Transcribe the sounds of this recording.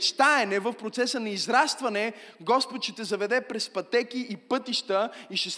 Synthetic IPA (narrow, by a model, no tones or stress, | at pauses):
t͡ʃt̪aɛnɛvəfpɾot̪sɛsənɐizɾast̪vɐnɛɡɔspot̪ʃɛt̪ɛzɐvɛd̪ɛpɾɛspɐt̪ɛkiipɤt̪iʃt̪əiʃɛs